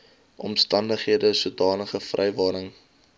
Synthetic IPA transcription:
ʔɔ̰mstɐndəχɦiədəsuədɑːnəχəfrʔɛjvɑːɾəŋ

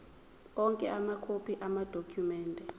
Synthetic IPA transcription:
ɔŋkʼɛʔamakʰopʰiʔamad̥ʱokʰjumɛːntʼɛ

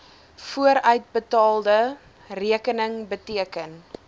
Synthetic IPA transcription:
fuəɾœɥt̚bətɑːlˠdə | riəkənəŋbətiəkən

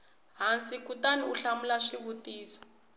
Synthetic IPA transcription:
ɦant͡sikutaniuɬamulaʂiβutiːsɔ̥

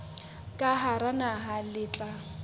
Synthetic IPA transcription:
kʼaɦaɾanaɦalɪːt͡ɬʼa

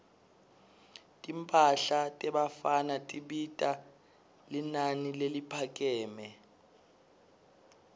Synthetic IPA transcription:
tʼimpʼaɬatʼɛɓafanatʼiɓitʼa | linanilelipʰak̬ʼɛːmɛ

